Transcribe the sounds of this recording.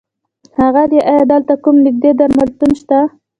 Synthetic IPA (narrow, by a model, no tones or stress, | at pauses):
haɣad̪eʔajɑd̪ɑlt̪akumnɪk̚d̪ed̪aɾmalt̪unʃt̪a